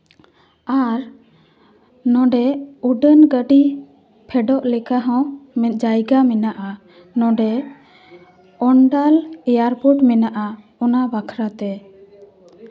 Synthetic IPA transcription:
aɾ | nɔ̃ɖɛuɖənɡəɖi | pʰɛɖɔʔlɛkaɦɔ̃mɛd͡ʒajɡamɛnaʔa | nɔ̃ɖɛ | ɔɳɖalɛjaɾpuʈmɛnaʔa | ɔnabakʰɾat̪ɛ

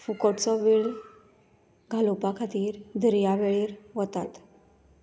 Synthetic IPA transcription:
fukɔʈt͡sɔʋiɭ | ɡʱalopakʰat̪iːɾd̪ʱəɾjaʋeɭiːɾʋət̪at̪

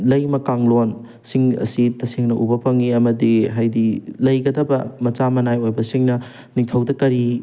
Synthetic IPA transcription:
lɐjmɐkaŋlon | siŋɐ̰sitɐsiŋnɐʔubɐpɐŋiɐmɐdiɦajdilɐjɡɐdɐbɐmɐt͡ʃamɐnajojbɐsiŋnɐ | niŋtʰɐwdɐkɐɾi

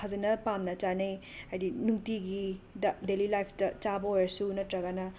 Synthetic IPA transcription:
kʰazinɐpamnɐt͡ʃanej | ajdinuŋtiɡidɐdelilajpʰtɐt͡ʃabɐojɐsuunɐtɾɐɡanɐ

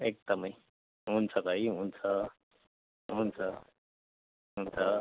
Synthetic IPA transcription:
ek̚d̪ʌməi | ɦunt͡sʰʌbʱaiɦunt͡sʰʌ | ɦunt͡sʰʌ | ɦunt͡sʰʌ

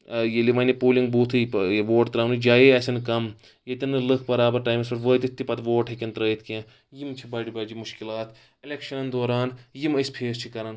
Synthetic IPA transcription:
jeliʋɐnipoːliŋɡ̚buːt̪ʰɨʋoːʈt̪ɾaːnɨd͡ʒaːjeɐsʲɐnkɐm | jet̪ʲɐnːɨlɨk̚ʰbɐɾaːbɐɾʈaːjmisɐʈʋəːt̪it̪ːipɐt̪ʋoːʈɦekʲɐnt̪ɾəːit̪ʰkʲẽː | jimt͡ʃʰibaːɖibɐːd͡ʒimʊʃkilaːt̪ | ilekʃɐnd̪oːɾaːnjimɐspʰeːst͡ʃʰikɐɾɐn

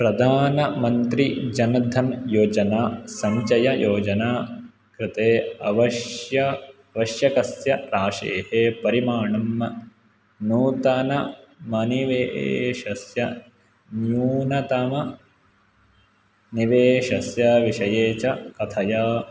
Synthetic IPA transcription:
pɾɐd̪ʱaːnɐmɐnt̪ɾid͡ʒɐnɐd̪ʱɐnjoːd͡ʒɐnaːsɐmt͡ʃɐjɐjʔoːd͡ʒɐnaː | kɾɪt̪eːɐʋɐʃjɐ | ɐʋɐʃjɐkɐsjɐɾaːʂḛːhepɐɾimaːɳɐmɐ | nuːt̪ɐnɐmɐniʋeːʔʃɐsjɐ | njuːnɐt̪ɐmɐ | niʋeːʃɐsjɐʋiʂɐjeːt͡ʃɐkɐt̪ʰɐjɐ

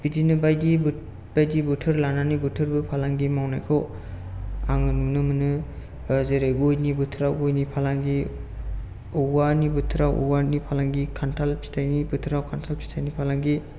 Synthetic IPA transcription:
b̥idinɯbajdib | b̥ajdibutʰɯɾlananibɯtʰɯɾbɯpʰalaŋɡimawnajkʰɔw | aŋɯnmnɯmɯnɯ | zeɾeɡojnibɯtʰɾawɡojnipʰalaŋɡi | ɔwanibɯtʰɾawʔɔ̰wanipʰalaŋɡikʰantʰalpʰi̥tʰajnibɯtʰɾawkʰantʰalpʰi̥tʰajnipʰalaŋɡi

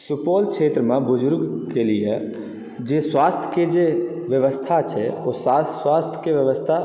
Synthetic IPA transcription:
supolkt͡ʃʰet̪ɾəmebʊd͡ʒʊɾɡkelije | d͡ʒeswast̪ʰjə̥ked͡ʒeʋjəʋəst̪ʰat͡ʃʰɛ̰osaswast̪ʰjə̥keʋjəʋəst̪ʰa

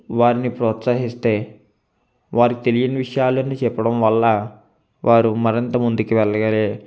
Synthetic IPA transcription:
ʋaːɾinipɾɔːt̪saɦist̪e̞ː | ʋaːɾikit̪e̞lijɐnɐʋiʂɐjaːluɐniːt͡ʃɛpːɐɽɐmʋɐlːɐ | ʋʔaːɾumɐɾint̪ɐmund̪ukiʋɛɭːɐɡɐleː

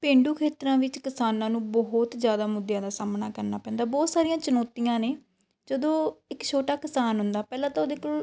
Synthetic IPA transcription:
pẽːɳɖuːkʰeːt̪ɾãːʋɪt͡ʃkɪsaːnãːnũːbɔɦʊt̪zjaːd̪aːmʊd̪jãːd̪aːsaːmnaːkəɾnaːpɛ̃ːnd̪aːbɔːt̪saːɾijãːt͡ʃənɔːt̪ijãːneː | d͡ʒəd̪õːɪkt͡ʃʰoːʈaːkɪsaːnɦʊnd̪aːpɛːlãːt̪ãːoːd̪eːkʊl

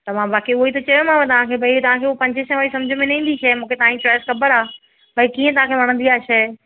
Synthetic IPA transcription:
t̪ɐmãbaːkiʊɦoit̪ɐt͡ɕɐjomãʋẽt̪ɐʋãkʰeːbʱɐit̪ɐʋ̤ãkʰeːopɐ̃ɲd͡ʑʱɪʃə̃ʋaːɾisɐ̃md͡ʑʱmẽnɐĩːn̆d̪iʃɐmũːkʰet̪ɐãɲt͡ɕɔːjɪskɐbəɾaː | bɐikiːə̃t̪ɐʋ̤ãkʰeʋɐɽ̃nd̪iaːʃɐ

